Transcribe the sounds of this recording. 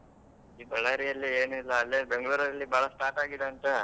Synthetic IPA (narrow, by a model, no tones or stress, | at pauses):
iːbɐɭaːɾijɐlːieːnuilːɐːlːebe̞ŋɡɭuːɾɐɐlːibʱaːɭɐsʈaːʈaːɡid̪eɐnt̪e